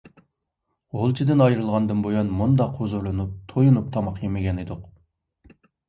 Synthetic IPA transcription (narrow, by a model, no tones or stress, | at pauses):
ʁolˠt͡ʃʰid̪ɪnɑjɾɨlˠʁɑnd̪ɨnbojɑnmund̪ɑqʰːozuɾlˠɨnup̚t̪ʰojunup̚t̪ʰɑmɑqjemɪɡʲɛnɨd̪ʊq